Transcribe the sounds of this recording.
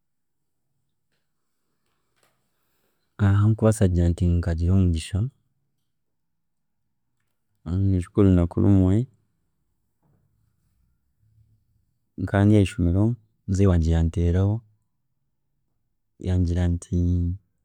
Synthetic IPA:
aɦaŋkuβasaɟiɾantiŋkaɟiɾomuɟiʃa | eʃu̥kulunakṵlṵmwe | ŋkaːndijaiʃumiɾo | nzewaɟijanteːɾaho | jʔaɲɟiɾantʰi

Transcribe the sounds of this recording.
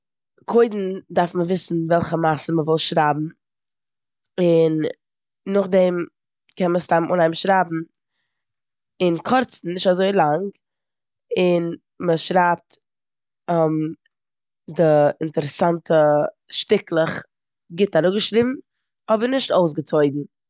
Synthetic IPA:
kʰoɪdn̩daɾfməvɪsn̩vɛlˠχəmasəməvɪlˠʃɾaːbm̩ | ɪnː | ʊχdɛm | kɛnməstamʔʊnaɪmʃɾaːbm̩ | ɪnkʰɔɾt͡sn̩nɪʃtazoɪlˠaŋɡ | ɪn | məʃɾaːp̚t | ɔm | dɪɪntəɾəsantʰə | ʃtɪklˠəχ | ɡɪtaɾʊɡəʃɾibm̩ | ɔbəɾnɪʃtoʊs̬ɡət͡sɔɪdn̩

